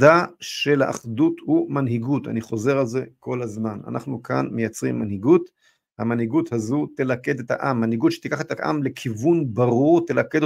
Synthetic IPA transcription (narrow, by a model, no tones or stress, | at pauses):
daʃelaʔːχdut̪humanɦiɡut̪a̰niχo̞ze̞ʁalze̞ko̞lazmana̰nʔa̰χnuka̰nmejat͡sʁimːanhiɡut̪ | hamanhiɡut̪hazut̪elake̞d̪et̪haʔamːanhiɡutʃet̪ikaχet̪aʔa̰mle̞kʰivunbaʁuʁt̪elake̞d̪o